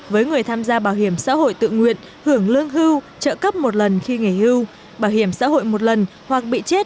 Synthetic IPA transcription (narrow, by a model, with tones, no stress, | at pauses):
vəː˨˦jŋɨ˨˩əjt̪ʰaː˧mzaː˧ɓaː˧˩whi˧˩əmsa̰ː˧˥ho̰˧˨jt̪ɨ̰˧˨ŋwḭ˧˨ən | hɨ˧˩əŋlɨ˧əŋɦɨ˧w | t͡ɕə̰ː˧˨kə˦˥p̚mo˨˩t̚lə˨˩nxi˧ŋi˧˩hɨ˧w | ɓaː˧˩whi˧˩əmsa̰ː˧˥ho̰˧˨jmo˨˩t̚lə˨˩n | hwa˨˩k̚ɓḭ˧˨t͡ɕe˦˥t̚